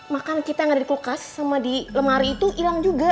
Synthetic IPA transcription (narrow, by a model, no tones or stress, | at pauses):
makankit̪ajaŋadadikukasːamadiləmaɾiːt̪uʔilaŋd͡ʒuɡa